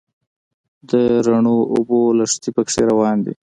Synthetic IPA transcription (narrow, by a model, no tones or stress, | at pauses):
d̪əɾaɳoobolaʂt̪ipəkʂeɾawɑnd̪ḭ